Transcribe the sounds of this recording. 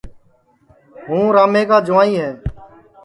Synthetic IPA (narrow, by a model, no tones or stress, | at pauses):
ɦũːɾaːmeːkaːd͡ʒʊʋaːĩːɦɛː